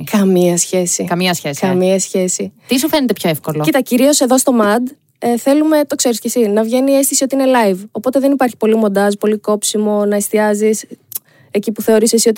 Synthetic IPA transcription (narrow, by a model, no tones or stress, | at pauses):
kɐmiɐsçe̞sikɐmiɐsçesɐmiɐsçe̞sit̪isufe̞net̪epçoefkolocit̪ɐciɾio̞se̞ðo̞st̪o̞mɐd̪ | eθe̞lume̞t̪o̞kse̞ɾiscesinɐvʝe̞nie̞st̪isio̞t̪iine̞lɐivo̞po̞t̪e̞ðenipɐɾçi̥po̞limo̞nd̪ɐzpo̞liko̞psimo̞nɐest̪iɐzis | ecipuθe̞o̞ɾisesio̞t̪i